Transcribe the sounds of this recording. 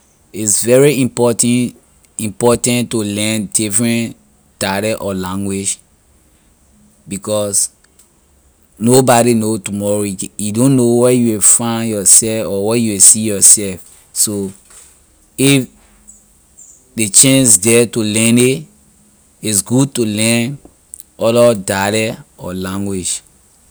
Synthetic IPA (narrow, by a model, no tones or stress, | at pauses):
isvɛɹiĩmpɔtɛ̃ | ĩmpɔtãntulɛ̃ndifɹɛ̃n | taɾɛʔɔlãŋɡwid͡ʒ | bikɔs | nobaɾinotumɔɹojijudõnːowɛjuwifãɪnjɔsɛfɔwɛjuwisijɔsɛlf | so | if | det͡ʃɛ̃nsdɛtulɛ̃ne | isɡud̚tulɛ̃n | ɔlɔdalɛɔlãŋɡwid͡ʒ